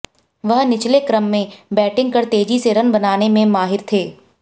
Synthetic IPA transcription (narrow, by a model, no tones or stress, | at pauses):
ʋɐɦnɪt͡ʃlekɾəmːẽbɛːʈɪ̃ŋɡkɐɾt̪eːd͡ʒiseɾɐnbɐnaːnemẽmaːɦɪɾt̪ʰeː